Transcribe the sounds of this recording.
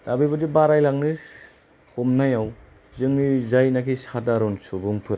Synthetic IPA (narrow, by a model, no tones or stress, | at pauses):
dabibɯdibaɾajlaŋnɯ | homnajaw | zɯŋnizajnakʰisadaɾɔnsubuŋpʰɯɾ